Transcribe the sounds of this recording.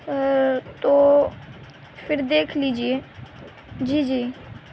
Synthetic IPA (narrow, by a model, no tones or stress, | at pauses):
t̪oː | pʰɪɾd̪eːkʰliːd͡ʒieː | d͡ʒiːd͡ʒiː